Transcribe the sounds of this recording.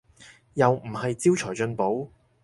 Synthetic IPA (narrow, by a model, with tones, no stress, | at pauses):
jɐ˨wm̩˨˩hɐ˨jt͡si˥wt͡ʃʰɔː˨˩jt͡ʃɵ˧npo˨˥w